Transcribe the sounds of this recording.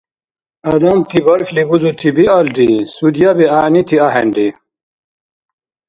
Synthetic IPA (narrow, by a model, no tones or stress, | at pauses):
ɐd̪ɐmt̪ʰibɐɾkʰlibuzut̪ʰibiɐlɖisud̪jabiaːnit̪ʰiaɦḛɳɖi